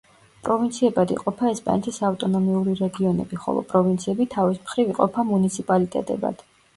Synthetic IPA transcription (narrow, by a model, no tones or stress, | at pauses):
pʼɾɔvint̪sʰiɛbad̪ḭqʼɔpʰaɛspʼa̰nɛt̪ʰisaft̪ʼɔnɔmiuɾiɾɛɡiɔnɛ̰biχɔ̰lˠɔ̰pʼɾɔvint̪sʰiɛbit̪ʰavismχɾiviqʼɔpʰamunit̪sʰipʼalit̪ʼɛ̰t̪ʼɛ̰ba̰d̪̥